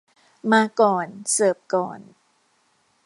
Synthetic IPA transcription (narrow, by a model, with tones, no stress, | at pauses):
maː˧kɔː˨˩nsɤː˨˩p̚kɔː˨˩n